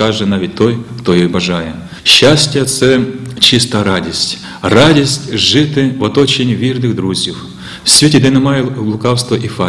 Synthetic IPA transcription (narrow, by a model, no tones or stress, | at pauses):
aʐɨnaʋʲit̚ʲt̪ojkt̪ojejbɐʐajɛ | ɕːasʲtʲɪjɐt̪sɛt͡ɕist̪ɐɾadʲisʲtʲ | radʲisʲtʲʐɪt̪ɪvɐt̪ot͡ɕɪnʲvʲirnɨɣd̪ɾuzʲjif | sʲvʲetʲɪd̪ɛnɐmajlˠʊkawst̪vɐʔifa